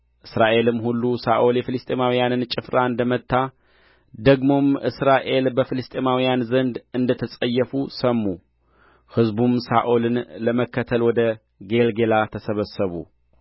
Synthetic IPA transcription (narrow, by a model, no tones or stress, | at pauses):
ʔɨsɾaʔe̞lɨmːhulːusaʔoljɛfɨlɨst̪ʼemawijanɨnt͡ʃʼɪfɾaɨnd̪əmət̪ʰːa | d̪əɡmo̞mʔɨsɾaʔe̞lbəfɨlɨst̪ʼemawijanzənd̪ɨnd̪ət̪ʰəsʼəjːəfusəmːu | hɨzbumsaʔolɨnləməkːət̪ʰəlwɔd̪ə | ɡe̞lɡelat̪ʰəsəβəsːəβṵ